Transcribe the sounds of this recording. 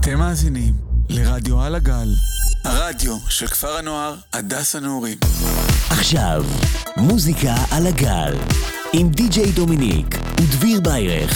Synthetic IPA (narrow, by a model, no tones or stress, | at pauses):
at̪emːaːzinimleʁad̪joalaɡalhaʁad̪jo̞ʃelkfaʁanoaʁhad̪ashaneoʁimʔaχʃa̰vmuzikaʔalaɡa̰l | imd̪id͡ʒejd̪ominḭk | ud̪viʁbajʁḛχ